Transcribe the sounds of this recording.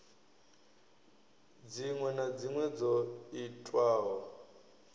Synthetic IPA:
d͡ziŋwɛnad͡ziŋwɛd͡zɔitʼwaːɦɔ

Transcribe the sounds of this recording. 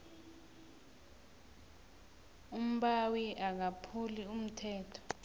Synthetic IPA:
um̩ɓawiʔak̬apʰulium̩tʰɛːtʰɔ̥

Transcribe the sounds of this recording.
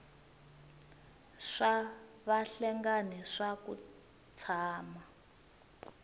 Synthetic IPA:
ʂa | βaɬɛŋɡanɛʂakṵ | t͡sʰaːma

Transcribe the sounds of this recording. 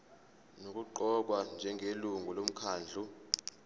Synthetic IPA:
nok̬ʼuǃɔk̬wand͡ʒʱɛŋʱeluŋɡʱulom̩kʰaːnd͡ɮʱu

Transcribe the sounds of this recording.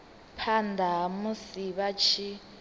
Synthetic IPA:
pʰandʱaɦmusiβat͡ʃʰi

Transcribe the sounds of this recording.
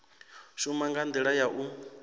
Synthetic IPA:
ʃumaŋɡand̪iɺajaʔu

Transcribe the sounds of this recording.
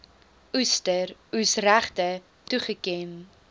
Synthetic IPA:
ustərusræχtə | tuχəkɛn

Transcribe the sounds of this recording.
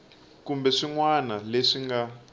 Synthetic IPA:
kumbɛʂiŋwanaleʂiŋɡa

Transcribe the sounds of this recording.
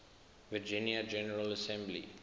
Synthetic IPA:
ʋɪd͡ʒɪ̃njəd͡ʒɛnəɾələsɛ̃mblḭ

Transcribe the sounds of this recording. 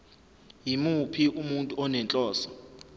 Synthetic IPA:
jimupʰiʔumuntʼuɔnɛnt͡ɬʼɔːsɔ̥

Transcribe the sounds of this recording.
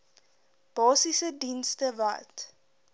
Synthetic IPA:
b̥ɑːsisədinstəva̰t

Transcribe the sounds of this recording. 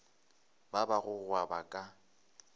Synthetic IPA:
babaɣʊɣwabakʼa

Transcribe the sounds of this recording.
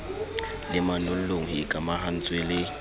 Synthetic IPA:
lɪmanʊl̩loŋ̩ikʼamahan̩t͡sʼwelɪ

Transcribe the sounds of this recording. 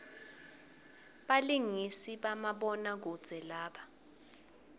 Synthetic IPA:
ɓaliŋisiɓamaɓɔnak̬ud̥z̥ʱɛlaːɓa

